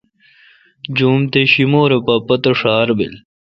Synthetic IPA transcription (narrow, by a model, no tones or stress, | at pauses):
d͡ʑuːmt̪eɕimoːɾepɐpɐt̪oʂaːɾbḭl